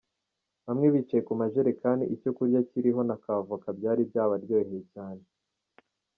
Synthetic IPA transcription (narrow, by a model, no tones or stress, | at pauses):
βamŋe̞βit͡ʃajekumaʒeɾekaːndḭʔico̞kuɾɟaciɾiɦo̞nakavuakabɟaːɾibjaːβaɾɟoːheecaːne